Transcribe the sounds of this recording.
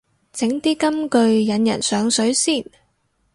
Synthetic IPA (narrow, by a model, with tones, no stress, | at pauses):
t͡sɪ˨˥ŋt̪iː˥kɐ˥mkɵ˧ɥjɐ˨˧njɐ̰˨˩nsœː˨˧ŋsɵ˨˥ɥsiː˥˩n